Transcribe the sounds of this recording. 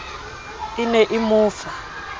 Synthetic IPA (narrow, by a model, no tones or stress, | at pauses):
inɛʔimuːfa